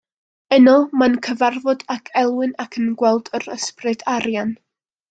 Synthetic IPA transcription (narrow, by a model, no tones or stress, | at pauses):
ənɔmankʰəvarvɔdakʰɛlˠwɨnakʰənɡwɛlˠdəɾəsprɨdaɾjan